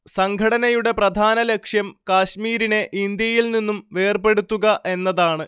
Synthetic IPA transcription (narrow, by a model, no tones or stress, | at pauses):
sɐŋɡʱɐɽɐnɐjuɽe̞prɐd̪ʱaːnɐle̞kʂjɐmkaːɕmiːɾine̞ʔind̪jɐjilninːumʋe̞ːrpe̞ɽut̪ːuɣɐʔe̞nːɐðaːɳɨ